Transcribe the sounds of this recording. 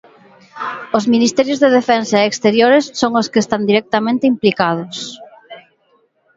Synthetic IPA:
ozminist̪ɛɾjozðeðefensɐeekst̪eɾjoɾesːoŋoskest̪and̪iɾɛk̚t̪amẽnt̪ɪimplikað̞ʊs

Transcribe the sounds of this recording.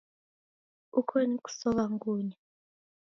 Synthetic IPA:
ukʰonik̬ʼu̥sɔkaŋkuːɲɛ

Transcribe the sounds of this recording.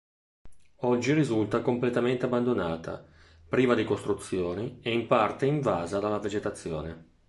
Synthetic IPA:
ɔd͡ʒːiɾizult̪akomplet̪ament̪eabːand̪onaːt̪ʰa̰ | pɾiːvad̪ekost̪ɾut̪sːjoːnieimpart̪eiɱvaːzad̪alːaved͡ʒet̪at̪sːjo̰ːne

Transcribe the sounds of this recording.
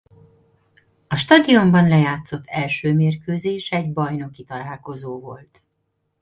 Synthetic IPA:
ɒʃt̪ɒd̪io̞mbɒnlɛjaːt̪so̞t̪ʰːɛlʃøːmeːrkøːzeːʃɛɟbɒjno̞kit̪ɒlaːlko̞zoːvo̞̰lt̪

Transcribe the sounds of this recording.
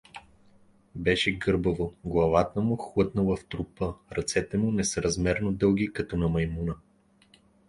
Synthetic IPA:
bɛʃɛɡɤɾbəvoɡlˠɐvat̪əmʊxlˠɤt̪nəlˠɐft̪ɾupɤɾɐt̪sɛt̪ɛmʊnɛsəɾɐzmɛɾnod̪ɤlˠɡ̟ikɐt̪ɔnɐmɐjmunə

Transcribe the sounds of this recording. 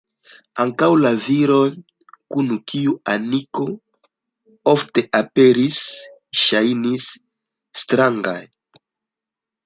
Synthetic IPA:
aŋkawlaviɾon | kunukiuaniko | ofte̞ʔapeɾis | ʃajnisː | tɾaŋɡa̰j

